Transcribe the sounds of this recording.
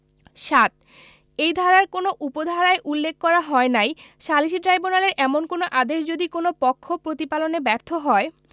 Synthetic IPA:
ʃat̪̚ | ejd̪ʱaɾaɾkonoʔupod̪ʱaɾaeʔulːek̚ʰːkɔɾaɦɔenajʃaliʃiʈɾajbonaleɾʔɛmonkonoʔad̪eʃd͡ʑod̪ikonopɔkʰːopɾot̪ipalonebɛɾt̪ʰoɦɔe

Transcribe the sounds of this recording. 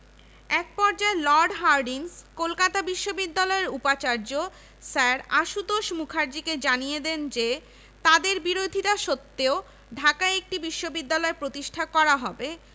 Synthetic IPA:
ɛk̚pɔɾd͡ʑaelɔɾɖɦaɾɖinskolkat̪abiʃːobid̪ːalɔeɾupat͡ɕaɾd͡ʑo | saɾaʃud̪oʃmukʰaɾd͡ʑiked͡ʑanijed̪end͡ʑe | t̪ad̪eɾbiɾod̪ʱiʈaʃot̪ːeo | ɖʱakaek̚ʈibiʃːobid̪ːalɔepɾot̪iʃʈʰakɔɾaɦɔbe

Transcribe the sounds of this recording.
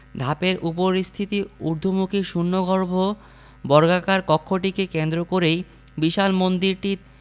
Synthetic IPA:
d̪ʱapeɾupoɾist̪ʰit̪iuɾd̪ʱomukʰiʃunːoɡʱɔɾbʱo | bɔɾɡakaɾkɔkʰːoʈikekend̪ɾokoɾej | biʃalmond̪iɾʈi

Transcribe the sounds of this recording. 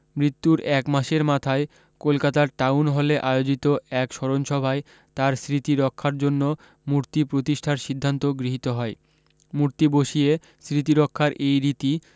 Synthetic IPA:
mɾit̪ːuɾɛkmaʃeɾmat̪ʰae | kolkat̪aɾʈawnɦɔleʔajod͡ʑit̪oɛkʃɔɾonʃɔbʱae | t̪aɾsɾit̪iɾɔkʰːaɾd͡ʑonːo | muɾt̪ipɾot̪iʃʈʰaɾʃid̪ʱːant̪oɡɾiɦit̪oɦɔe | muɾt̪iboʃie | sɾit̪iɾɔkʰːaɾʔejɾit̪i

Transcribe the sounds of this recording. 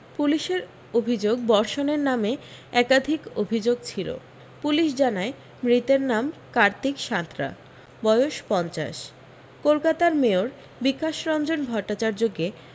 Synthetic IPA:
puliʃeɾ | obʱid͡ʑoɡbɔɾʃoneɾnameɛkad̪ʱiko̰bʱid͡ʑoɡ̚t͡ɕʰilo̰ | puliʃd͡ʑanae | mɾit̪eɾnamkaɾt̪ikʃat̪ɾa̰ | bɔeoʃpɔnt͡ɕa̰ʃ | kolkat̪aɾmeoɾ | bikaʃɾɔnd͡ʑonbʱɔʈːat͡ɕaɾd͡ʑoɡe

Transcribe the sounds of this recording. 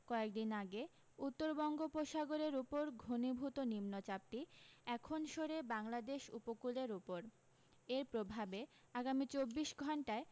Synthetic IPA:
kɔek̚d̪inaɡe | ut̪ːoɾbɔŋɡopoʃaɡoɾeɾupoɾɡʱonibʱut̪onimnot͡ɕap̚ʈiɛkʰonʃoɾebaŋlad̪eʃṵpokuleɾupoɾ | eɾpɾobʱabe | aɡamit͡ɕobːiʃɡʱɔɳʈae

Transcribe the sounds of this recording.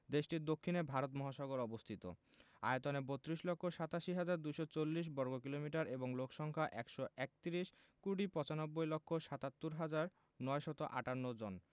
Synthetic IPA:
d̪eʃʈiɾd̪okʰːinebʱaɾot̪mɔɦaʃɔɡoɾɔbost̪ʰit̪o̰ | a̰jot̪onebot̪ːɾiʃlɔkʰːoʃat̪aʃiɦad͡ʑaɾd̪ujʃɔt͡ɕolːiʃ̬bɔɾɡok̬ilomiʈaɾeboŋlokʃɔŋkʰaʔɛkʃɔʔɛk̚t̪iɾiʃ | kuɽipɔ̃t͡ɕanɔbːojlɔkʰːoʃat̪at̪ːuɾɦad͡ʑaɾ | nɔeʃɔt̪oʔa̰ʈanːod͡ʑon

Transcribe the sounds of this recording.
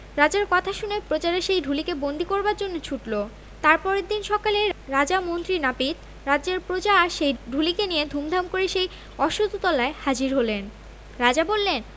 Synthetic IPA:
ɾad͡ʑaɾkɔt̪ʰaʃunepɾot͡ɕaɾeʃejɖʱulikebond̪ʱikoɾbaɾd͡ʑonːot͡ɕʰuʈlo | t̪aɾpɔɾed̪inʃɔkaleɾad͡ʑamont̪ɾinapit̪ | ɾad̪ːʑeɾpɾot͡ɕaɾʃejɖʱulikenied̪ʱumd̪ʱamkoɾeʃej | ɔʃud̪ʱut̪ɔlaehad͡ʑiɾɦolen | ɾad͡ʑabolːen

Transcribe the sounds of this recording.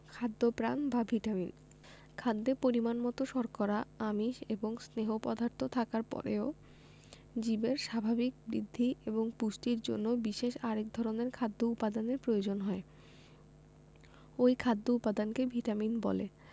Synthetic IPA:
kʰad̪ːopɾanbabʱiʈamin | kʰad̪ːepoɾimanmɔt̪oʃɔɾkɔɾaamiʃeboŋsneɦopɔd̪ʱaɾt̪ʰot̪ʰakaɾpɔ̰ɾḛo | d͡ʑibeɾʃabʱabik̚bɾḭd̪ʱːiʔeboŋpuʃʈiɾd͡ʑo̰nːobiʃeʃaɾek̚d̪ʱɔɾoneɾkʰad̪ːoupad̪aneɾpɾojod͡ʑonɦɔe | ojkʰad̪ːoupad̪ankebʱiʈaminbɔ̰lḛ

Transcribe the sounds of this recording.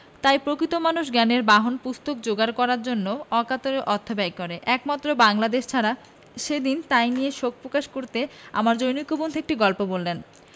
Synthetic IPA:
t̪ajpɾokɾit̪omanuʃ̬ɡɛneɾbaɦonpust̪okd͡ʑoɡaɾkɔɾaɾd͡ʑonːoɔkat̪oɾeʔɔt̪ʰːobajkɔɾeʔɛkmat̪ːɾobaŋlad̪eʃt͡ɕʰaɾa | ʃed̪int̪ajnijeʃok̚ʰpɾokaʃkoɾt̪ea̰maɾd͡ʑojnikːobond̪ʱoek̚ʈiɡɔlpobolːen

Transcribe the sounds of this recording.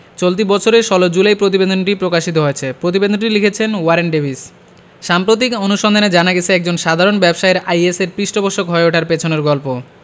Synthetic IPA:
t͡ɕolt̪̬ibɔt͡ɕʰoɾeʃɔlod͡ʑulajpɾot̪̬ibed̪ʱonʈipɾokaʃit̪oɦoet͡ɕʰepɾot̪̬ibed̪ʱonʈilikʰet͡ɕʰenwaɾenɖebʱis | ʃampɾot̪̬ikonuʃɔnd̪ʱaned͡ʑanaɡet͡ɕʰeɛk̚d͡ʑonʃad̪ʱaɾonbɛbʃaeɾajeseɾpɾiʃʈoboʃokɦɔeoʈʰaɾpet͡ɕʰoneɾɡɔlpo

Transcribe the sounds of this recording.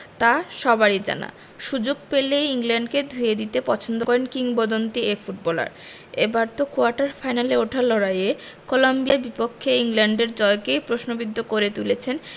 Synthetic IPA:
t̪aʃɔbaɾid͡ʑa̰na̰ | ʃud͡ʑoɡ̚pelejiŋlaɳɖked̪ʱujed̪it̪epɔt͡ɕʰond̪okɔɾenkiŋbod̪ont̪iefuʈ̚bɔla̰ɾ | ebaɾt̪okuaɾʈaɾfajnaleoʈʰalɔɽaje | kolombiaɾbipokʰːeiŋlaɳɖeɾd͡ʑɔekejpɾoʃnobid̪ʱːokoɾet̪ulet͡ɕʰen

